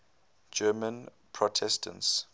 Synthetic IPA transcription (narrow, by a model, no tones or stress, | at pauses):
d͡ʒɛmə̃n | pʰɹɔtʰɛstʰə̰̃nts